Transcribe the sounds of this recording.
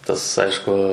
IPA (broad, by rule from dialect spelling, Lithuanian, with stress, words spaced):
ˈtɐs ˈɐɪʃkʊ